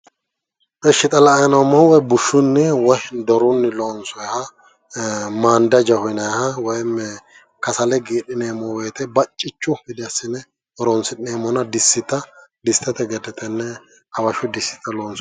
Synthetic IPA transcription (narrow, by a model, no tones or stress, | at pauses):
ʔɛʃːɪt̪ʼɐlɐɐjnɐwmːɐhwɔjbʊʃːʊnːɛwɔhd̪ɔɾʊnːɪloːnsɔjhɐ | maːnd̪ɐd͡ʒɐhɔjnɐjhɐwɔjmɛ | kɐsɐlɛɡiːᶑɪneːmɔweːt̪ɛbɐt͡ʃʼːɪt͡ʃːʊhɪd̪ɛɐsɪnɛ | ɾonsɪneːmɔnɐd̪ɪsːɪt̪ɐd̪ɪst̪ɛt̪ɛɡɛd̪ɛt̪ɛnːɛ | hɐwɐʃʊd̪ɪsːɪ̥t̪ɐloːnsɔ̥